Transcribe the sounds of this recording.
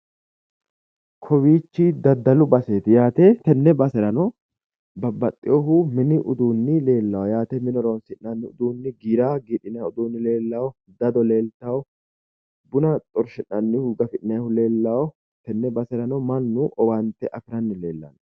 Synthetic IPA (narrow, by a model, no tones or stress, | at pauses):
kʰɔwiːt͡ʃːid̪ɐd̪ːɐlʊbɐseːt̪ɪjaːt̪et̪ɛnːɛbɐsɛɾɐnɔ | bɐbːɐt̪ʼːɪjɔɦʊmɪnɪʔʊd̪uːnːɪle̞ːlːɐwɔjaːt̪ɛmɪnɔɾɔnsɪʔnɐnːɪʊd̪uːnːɪɡiːɾaːɡiːᶑɪnɐjʊd̪uːnːɪle̞ːlːɐwɔ | d̪ɐd̪ɔle̞ːlt̪ɐwɔ | bʊnɐt̪ʼɔɾʃɪnːɐnːɪhuɡɐfɪʔɪnɐjhʊle̞ːlːɐwɔ | t̪ɛnːɛbɐsɛɾɐnɔmɐnːʊʔɔwɐnt̪ːɛʔɐfɪɾɐnːɪle̞ːlːɐnɔ